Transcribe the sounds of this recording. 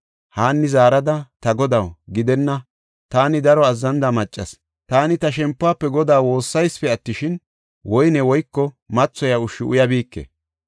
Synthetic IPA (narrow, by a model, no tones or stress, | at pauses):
haːnːɪzaːɾɐd̪ɐt̪ɐɡɔd̪ɐwɡɪd̪ɛnːɐ | t̪aːnɪd̪ɐɾɔɐzːɐnd̪ɐmɐt͡ʃʼːɐs | t̪aːnɪt̪ɐʃɛmpːʊaːpːɛɡɔd̪aːwwo̞ːsːɐjspɛɐt̪ːɪʃɪn | wɔjnɛwɔjkːɔ | mɐt͡sːɔjɐʊʃːɪʊ̰jɐbiːkːḛ